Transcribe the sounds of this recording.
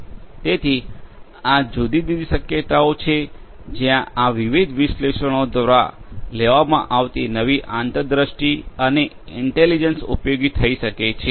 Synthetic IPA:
t̪et̪ʰi | ad͡ʒud̪id̪id̪iʃəkjət̪aot͡ʃʰe | d͡ʒjãaʋiʋid̪ʱʋɪʃleʃəɽ̃od̪waɾa̰leʋamã̰ʔaʋt̪inəʋiʔant̪əd̪ɾəʃʈiəne | ɪɳʈelid͡ʒənsṵpjoɡit̪ʰəiʃəket͡ʃʰe

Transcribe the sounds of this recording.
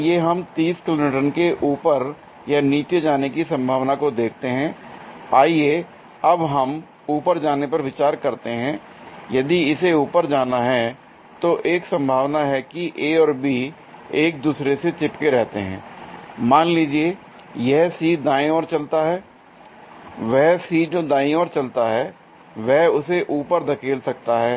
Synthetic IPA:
jeɦɐmt̪iːskɪloːmiʈənkeʔuːpəɾ | janiːt͡ʃed͡ʒaːnekisɐ̃mbʱaːʋnakod̪eːkʰt̪eɦɛ̃ːaːie | ɐbɦɐm | uːpəɾd͡ʒaːnepɐɾʋɪt͡ʃaːɾkɐɾt̪eɦɛ̃ː | jɐd̪iɪseuːpəɾd͡ʒaːnaɦɛ | t̪oʔeːksɐ̃mbʱaːʋnaɦɛkiʔeːɔːɾbiː | eːk̚d̪uːsɾeset͡ʃɪpkeɾɛɦt̪eɦɛ̰̃ːmaːnliːd͡ʒieː | jɛɦsiːd̪aːĩɔːɾt͡ʃɐlt̪aɦɛː | ʋɛɦsiːd͡ʒoːd̪aːĩɔːɾt͡ʃɐlt̪aɦɛː | ʋɛɦʊseʔuːpəɾd̪ɐkʰeːlsɐk̚t̪aɦɛː

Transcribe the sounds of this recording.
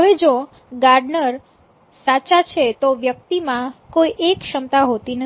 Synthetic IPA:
ɦəʋed͡ʒo | ɡaɾɖnəɾ | sat͡ʃat͡ʃʰet̪oʋjək̚t̪imãkoiʔekʃəmt̪aɦot̪in

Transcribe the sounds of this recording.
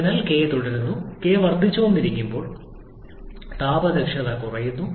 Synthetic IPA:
nɐlke̞ːt̪uɽɐɾunːukeːʋɐrt̪ːit͡ɕːɐʋɐmiɾikʲːumbo̞ːɭ | t̪aːbɐd̪ɐkʂɐðɐkurɐjunːu

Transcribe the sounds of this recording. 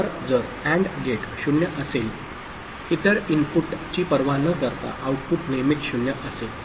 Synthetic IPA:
əɾd͡zəɾ | æ̃ɳɖɡeʈɕunjəʔəsel | hit̪əɾinpuʈt͡ɕiːpəɾʋanəkəɾt̪a̰ʔauʈ̚puʈnemikɕunjəʔəsel

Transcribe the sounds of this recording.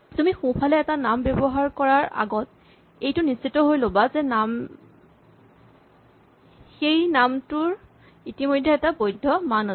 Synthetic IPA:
tumixũpʰalɛːtanambɛbɔɦaɹkɔɹaɹa̰ɡɔt | ejtʊnisːitɔɦojlobazɛnam | xejnamtʊɹ | itimojdʱːɛɛtabojdʱːɔmanɔ

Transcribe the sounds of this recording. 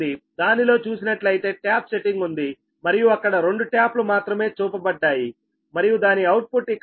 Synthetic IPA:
id̪aːnilo̞ːt͡ʃuːsinɐʈlɐjt̪e̞ːʈjaːpse̞ʈiŋɡund̪i | mɐɾijuɐkːɐɽɐɾe̞ɳɖuʈjaːplumaːt̪ɾɐme̞ːt͡ʃuːpɐbɐɖːaːji | mɐɾijud̪aːniɐwʈ̚puʈːik

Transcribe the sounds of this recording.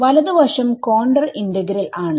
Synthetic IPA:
ʋɐlɐðɨʋɐrʂɐmkoːɳɖɐrindɐɡɐɾilaːɳɨ

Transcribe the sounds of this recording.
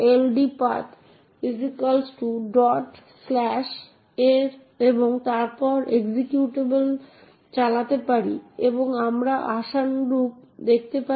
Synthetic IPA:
elɖipat̪ | fizikalsʈuɖɔʈ | slɛʃ | eɾ | eboŋt̪aɾpɔɾʔeɡzekjuʈebel | t͡ɕalat̪epaɾḭeboŋamɾaʔaʃanɾup̚d̪ek̚ʰt̪epa

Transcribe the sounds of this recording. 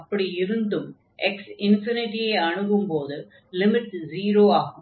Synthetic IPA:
ɐpːɐɽiɪɾɯnd̪ɯm | ɛksɪnfɪnɪʈːijeɐɳɯɣɯmpoːðɯ | lɪmɪʈziːɾoːaːɣɯ

